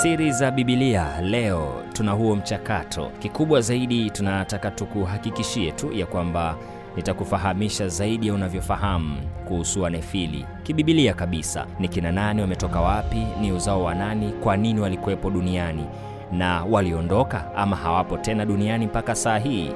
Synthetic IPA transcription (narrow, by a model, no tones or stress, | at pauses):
siɾizaɓiɓilialɛɔtunaɦuɔm̩t͡ʃakatʰɔ̰kikuɓwazaiɗitunatakatukuɦakikiʃiɛtujakwamba | nitakufaɦamiʃazaiɗijaunavjɔfaɦam̩kuhusuwanɛfilḭ | kiɓiɓiliakaɓisa̰nikinananiwamɛtɔkawapiniuzaɔwananikwaniniwalikuwɛpɔɗuniani | nawaliɔndɔka | amahawapɔtɛnaɗunianimpakasaːɦiː